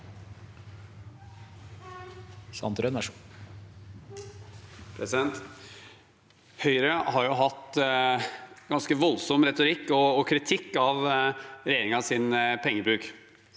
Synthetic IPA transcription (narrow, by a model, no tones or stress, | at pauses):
sɑ̰nt̪ɾœnʋæʂ | pʰɾɛsɪd̪ɛnt̪ | hœʏɾəhɑɾjʊɦɑt̪ː | ɡɑnskəʋɔlsɔmɾɛt̪ʊɾɪkːɔːkʰɾɪt̪ʰɪkːɑʋɾɛjeːɾɪŋɑsɪnpʰɛŋːəbɾʉːk